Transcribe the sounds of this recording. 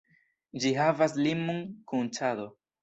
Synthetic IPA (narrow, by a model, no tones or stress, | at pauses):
d͡ʒiɦavas̬limuŋkunt͡ʃado̞